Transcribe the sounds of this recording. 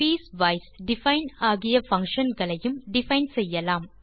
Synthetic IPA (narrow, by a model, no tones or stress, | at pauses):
piːsʋɐjsɖɪfɐjnaːɣɪjɐfɐŋkʂɐnɡɐɭɐjɯmɖɪfɐjnsɛjːɐlaːm